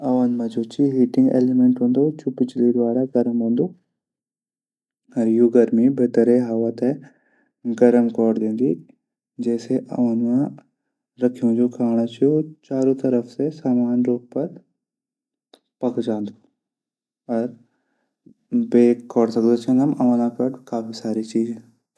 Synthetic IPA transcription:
ɐʋənmãd͡ʒoːt͡ʃʰiɦiːʈɪ̃ŋɡḛːlemẽɳʈɦõːnd̪ot͡ʃʰupɪt͡ʃliɾʋaːɽaɡɐɾəmɦõːnd̪o | ɐɾjuɡɐɾmibet̪əɾeɦɐʋət̪ɛ | ɡɐɾəmkɔːɽd̪ẽːnɡ̪i | d͡ʒɛːseʔɐ̰ʋənmã | ɾɐkʰiũd͡ʒokʰaːɽ̃at͡ʃʰiot͡ʃaːɾõt̪ɐɾəfsesaːmaːnɾoːɡ̚pɐɾ | pɐkd͡ʒãːnd̪u | ɔɾ | beːkɔːɽsɐkd̪ot͡ʃʰẽnɐmɐʋanakɐʈkaːfʰisaːɾit͡ʃiːd͡ʒẽ

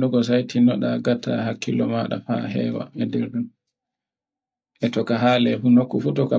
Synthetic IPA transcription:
ɗɔɡɔs̬ajtʰinɔɗaɡatʰa̰hakʰːilɔmaɗa̰fa̰ɦɛ̰wa̰ɛdɛɾɗun | ʔɛtɔkaɦaːlɛfunokːufutɔka

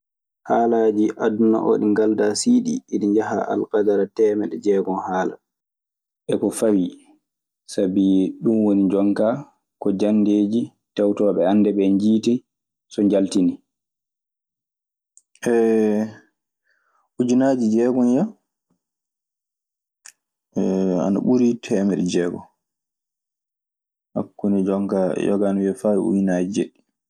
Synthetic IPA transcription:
haːlaːd͡ʒiʔaduna̰ʔo̰ɗiŋɡaldasiːɗḭiɗiɲd͡ʒaɦa̰ʔa̰lkadaɾatɛːmɛɗɛd͡ʒɛːɡɔnhaːla̰ | ɓɛkɔfawi | sabiɛɗumwoniɲd͡ʒɔŋka | kɔd͡ʒanːdeːd͡ʒi | tɛwtɔɓɛanːdɛɓɛɲd͡ʒiːti | sɔɲd͡ʒaltini | ʔɛ | ud͡ʒinaːd͡ʒid͡ʒɛɡɔnja | a̰na̰ɓuɾitʰɛːmɛɾd͡ʒɛːɡɔ̰ | ha̰kːunid͡ʒɔŋka̰jɔ̰ɡanwɛfaːwiṵd͡ʒinad͡ʒid͡ʒɛ̰ɗi

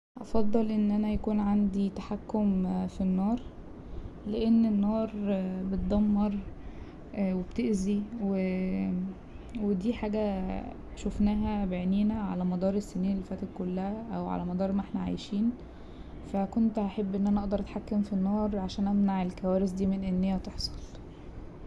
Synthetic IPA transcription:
ʔɑ̰fɑd̪ˤːɑlʔenːʔænæjækuːnʕand̪it̪aħakːomfinːɑːɾˤ | leʔenːenːɑːɾˤbet̪̚d̪ˤɑmːɑɾˤ | webt̪eʔziwe | wed̪iːħaːɡæ | ʃofnæːɦæbeʕniːnæʕa̰læmɑd̪ˤɑːɾˤesːeniːnelːefæːt̪ækolːæhæʔæwʕa̰læmɑd̪ˤɑːɾˤmæʔeħnæʕa̰jʃiːn | fækont̪haħebːʔenːʔænæʔɑʔd̪ɑɾˤʔæt̪ħakːæmfinːɑːɾˤʕaʃæːnʔæmnaʕelkæwæːɾes̬d̪iːmenʔenːejːæt̪eħsˤɑ̥l

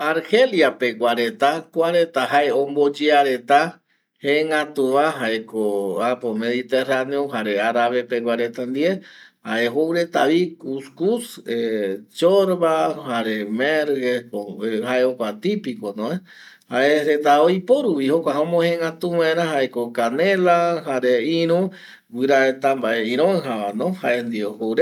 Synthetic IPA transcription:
aɾhe̞ljape̞ɡʷwaɾet̪akʷaɾet̪aɦae̞õmbo̞d͡ʒeaɾe̞t̪a | hẽŋãt̪uβãɦaekoapome̞ðit̪eraneoɦaɾe̞aɾaβe̞peɡwaɾe̞t̪and̪iehaʔe̞ɦowɾe̞t̪aβikuskuset͡ʃoɾβahaɾemeɾɣespohaeokʷat̪ipikonõe | haeɾet̪aojpoɾupihokʷaɦãõmõhẽŋɡat̪uwãẽɾãɦaʔekokanelahaɾeĩɾũ | wɨɾaet̪ambaʔeĩɾ̃õŋɦaβanõhaʔend̪iohowɾe

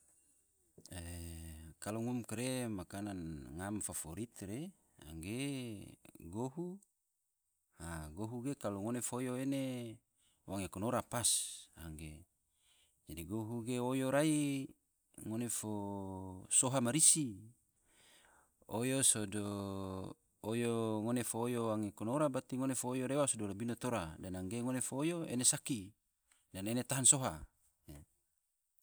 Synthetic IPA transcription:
e | kaloŋumkɾemakananŋamfafoɾit̪ɾe | a̰ŋɡe | ɡoɦu | haɡoɦuɡekaloŋonefojoene | waŋekonoɾapasa̰ŋɡe | d͡ʒadiɡoɦuɡeojoɾai | ŋonefo | soɦamaɾisi | o̰josodo | ojoŋonefoːjowaŋekonoɾabat̪iŋonefoːjoɾewasodolabinot̪oɾadanaŋɡeŋonefoːjoḛnesaki | danenet̪aɦansoɦa | ja

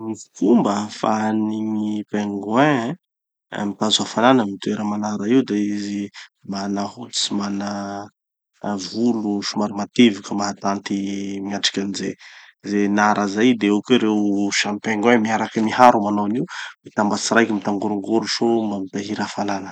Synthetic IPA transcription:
mikumbəfaniɲipeŋɡwɛ̰̃ | mit̪azuafalanəmit̪ueɾəmanaɾaiud̪eizimanahu̥t͡simana | vuluʃumaɾimat̪evukəmaɦat̪ant̪imiaʈ͡ʂḁkʲanizezenaɾʔəzajd̪eukuɾewʃanpeŋɡwɛ̃miaɾakəmiɦaɾumananiwmit̪ambat͡siɾajkʲimit̪aŋɡuɾuŋɡuɾuʃombamit̪aɦiɾafalanə̥

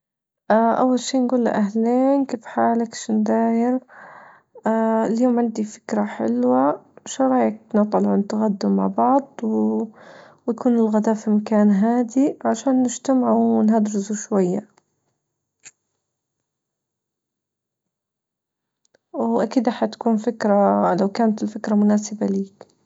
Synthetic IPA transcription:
ʔaʔa̰wːalʃiːnɡuːlːa̰ʔaɦleːnkeːfħaːlakʃnd̪aːjɪɾ | ɪljoːmʕɪnd̪ifɪ̥kɾaħɪ̰lwaʃɑɾˤɑːjɪk̚nɑt̪ˤɑlʕʊnt̪aɣad̪ːuma̰ʕbɑʕd̪ˤw | wjakʰuːnɪlɣad̪aːfimakaːnɦaːd̪iʕaʃaːnːɪd͡ʒt̪amaʕuwnhad̪ɾɪsuʃwajːa | wʔakiːd̪ʔaħat̪ḁkuːnfɪkɾalawkaːnat̪ɪlfɪkɾamʊnaːsɪbaliːk

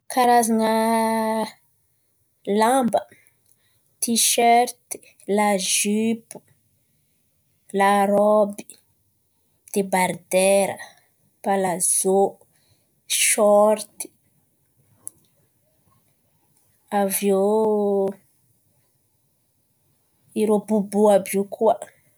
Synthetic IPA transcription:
kaɾazanə | lãmbə | t̪iʃœɾt̪i̥ | laʒypu̥ | laɾɔbi | d̪̥ebaɾd̪ɛɾə̰ | palaz̥o | ʃɔɾt̪i̥ | avjo | iɾobubuabjukʰua

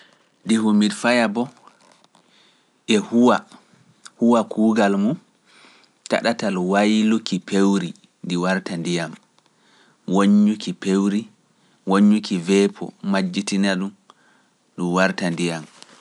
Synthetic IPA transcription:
dihumidfajabɔ | ʔɛhuwa | huwakʰuːɡalmu | ta̰ɗatalwajlukipʰewɾi | ndiwaɾtandijam | woɲːukipewɾi | woɲːukivɛpʰɔ̰mad͡ʒːitinaɗum | ɗumwaɾtandijam

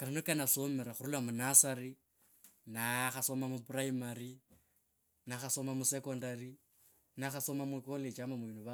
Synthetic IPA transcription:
kananokanaso̞meɾaxurulamunasaɾi | naxaso̞mamupuraimari | naxaso̞mamusekondari | naxaso̞mamwikolet͡ʃamamuβinuβa

